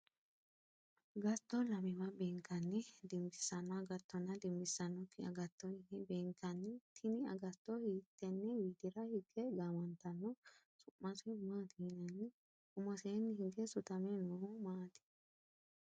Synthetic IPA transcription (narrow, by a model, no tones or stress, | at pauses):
ɡɐt̪ːɔlɐmɪmɐbeːŋkːɐnːɛd̪ɪmbɪsːɐnːɔɐɡɐt̪ːɔnɐd̪ɪmbɪsːɐnːɔkːɪɐ̰ɡɐt̪ːɔhɪnɛbeːŋkːɐnːɛt̪ʰɪnɪɐ̰ɡɐt̪ːɔhiːt̪ːɛnːɛwiːd̪ɪɾɐhɪɡɛɡaːmɐnt̪ɐnːɔ | sʊmːɐsɛmaːt̪ɪhnɐnːɪ | kʊmɐseːnːhɪɡɛsʊt̪ɐmɛnɔhʊmaːt̪ɪ̥